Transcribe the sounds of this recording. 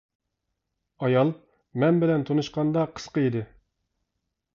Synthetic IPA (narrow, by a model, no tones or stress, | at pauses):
ɑjɑlˠ | mɛnbɪlɛnt̪ʰonuʃqɑnd̪ɑqʰə̥sqəid̪ɪ